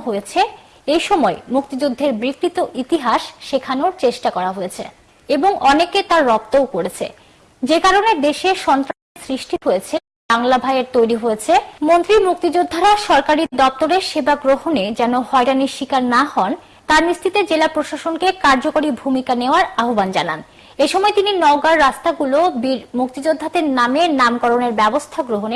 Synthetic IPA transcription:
ɦojet͡ɕʰe | ejʃɔmɔemuk̚t̪id͡ʑud̪ʱːeɾbɾikɾit̪oʔit̪iɦaʃʃekʰanoɾt͡ɕeʃʈakɔɾaɦoet͡ɕʰe | eboŋʔɔneket̪aɾːɔp̚t̪owkoɾet͡ɕʰḛ | d͡ʑekaɾoned̪eʃeʃɔnt̪ɾanesɾiʃʈiɦojet͡ɕʰe | baŋlabʱajeɾt̪ojɾiɦojet͡ɕʰemont̪ɾimuk̚t̪id͡ʑud̪ʱːaɾaʃɔɾkaɾid̪ɔp̚t̪oɾeɾʃebaɡɾoɦoned͡ʑɛnohɔeɖaniʃikaɾnahɔn | t̪aɾnist̪ʰit̪ed͡ʑelapɾoʃaʃonkekaɾd͡ʑokoɾibʱumikaneoaɾaɦoband͡ʑa̰na̰n | eʃɔmɔet̪ininɔwɡaɾːast̪aɡulobiɾmuk̚t̪id͡ʑod̪ʱːat̪eɾnamenamkɔɾoneɾbɛbost̪ʰaɡɾoɦone

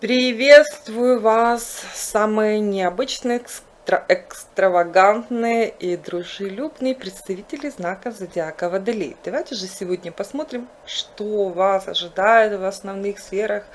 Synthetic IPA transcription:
pɾʲɪvʲe̞t̪st̪vʊjʊvassamɨjənʲɪɐbɨt͡ɕnɨj | t̪ɾəɛkst̪ɾəvɐɡant̪nɨjəʔid̪ɾʊʐɨlʲubnɨjpɾʲɪt̪st̪ɐvʲitʲɪlʲɪznakəzɐdʲɪakəvəd̪ɨlʲḛjd̪ɐvajtʲɪʐɨsʲɪvo̞dʲnʲəpɐsmo̞t̪ɾʲɪm | ʂt̪ovasɐ̰ʐɨd̪ajʊt̪vɐsnɐvnɨxsfʲeɾəx

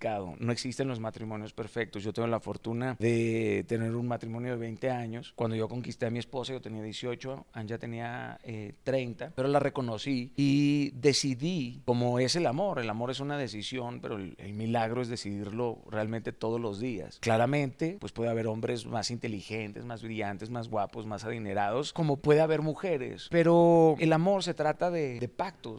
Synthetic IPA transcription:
aðo̰no̞e̞ksist̪enlo̞zmat̪ɾimõ̞njo̞spe̞ɾfe̞k̚t̪osʝo̞t̪eŋɡo̞lafo̞ɾt̪unaðe̞t̪e̞ne̞ɾunmat̪ɾimõ̞njo̞ð̞e̞β̞e̞jnt̪e̞aɲo̞skwand̪o̞ʝo̞ko̞ŋkist̪e̞amie̞spo̞sajot̪e̞niaðje̞sjo̞t͡ʃoad͡ʒat̪e̞niaet̪ɾe̞jnt̪ape̞ɾo̞lare̞ko̞no̞siiðe̞siðiko̞mo̞e̞se̞lamo̞ɾe̞lamo̞ɾe̞sunað̞e̞sisjo̞npe̞̰ɾolḛlmilaɣɾo̞e̞zðe̞siðiɾlo̞̰realment̪e̞t̪o̞ð̞o̞zlo̞zðia̰sklaɾamẽ̞nt̪e̞pwe̞spwe̞ðeaβe̞ɾo̞mbɾe̞zmasint̪e̞lixe̞nt̪e̞zmazβɾiʝant̪e̞zmazɣwapozmasaðine̞ɾað̞o̞sko̞mo̞pwe̞ðeaβe̞ɾmuxe̞ɾe̞̰spe̞ɾo̞elamo̞ɾs̬e̞t̪ɾat̪aðed̪e̞pak̚t̪o

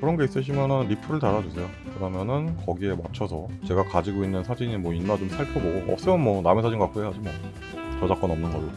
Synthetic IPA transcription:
kɯɾʌnɡe̞is͈ɯɕ̬ʰimjʌnɯnɾipʰɯɾɯɭtaɾad͡ʑusʰe̞jo | kɯdamjʌnɯnkʌɡie̞mat͡ɕʰʌsʰʌ | t͡ɕe̞ɡakad͡ʑiɡoinːɯnsʰad͡ʑiɲimwʌinːat͡ɕomsʰaɭpʰjʌɡoʌ̰p̚s͈ɯmjʌnmwʌnamesʰad͡ʑinɡʌɡak͈oɦeɦad͡ʑimʌ | t͡ɕʌd͡ʑak͈ʌnʌmnɯnɡʌɾo

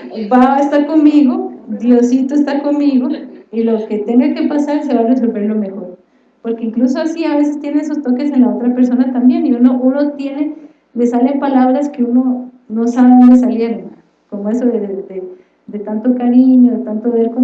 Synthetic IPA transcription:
baaest̪aɾko̞nmiɣo̞d̪josit̪oest̪ako̞nmiɣo̞iloke̞t̪eneke̞pasaɾes̬e̞βare̞so̞lβe̞ɾlo̞me̞xo̞ɾ | po̞ɾke̞iŋkluso̞asiaβ̞e̞se̞st̪je̞neesost̪o̞ke̞se̞nlao̞t̪ɾape̞ɾso̞nat̪ambje̞niuno̞ʔuno̞t̪je̞ne̞ | le̞sale̞mpalaβɾaske̞uno̞ | no̞saβeðo̞nd̪e̞s̬alje̞ɾon | ko̞moe̞soðed̪e | d̪e̞t̪ant̪okaɾiɲo̞ðet̪ant̪oeɾko

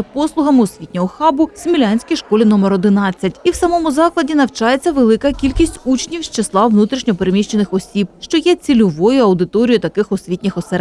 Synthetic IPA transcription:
ɐpɔslˠʊɦɐmɪɔsʲʋʲitʲnʲɔɦɔxɑbʊsʲmʲilʲanʲsʲkʲijʃkɔlʲinɔmeɾɔd̪ɪnɑt͡sʲːɐtʲiwsɐmɔmʊzɑklˠɐdʲinɐwt͡ʃɑjet͡sʲːɐʋelˠɪkɐkʲilʲkʲisʲtʲut͡ʃnʲiwst͡ʃeslˠɑʋnut̪ɾʲiʃnʲɔpeɾemʲiʃt͡ʃenɪxɔsʲib̥̚ʃt͡ʃɔjɛt͡sʲilʲʊʋɔjʊɐwd̪ɪt̪ɔɾʲijʊt̪ɐkɪxɔsʲʋʲitʲnʲɪxɔseɾ

